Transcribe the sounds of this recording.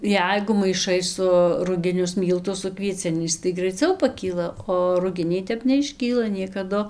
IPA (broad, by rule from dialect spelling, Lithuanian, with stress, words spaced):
ˈjɛɪɡʊ mɐɪˈʃɐɪ sʊ rʊɡʲɪˈnʲʊs ˈmʲiːlˠtʊs sʊ kʋʲiɛˈt͡sʲɪnʲɛɪs tɐɪ ɡrɐɪˈt͡sʲɛʊ pɐˈkʲiːlˠɐ oː rʊˈɡʲɪnʲɛɪ ˈtʲɛp nʲɛɪʃʲˈkʲiːlˠɐ nʲiɛkɐˈdʊ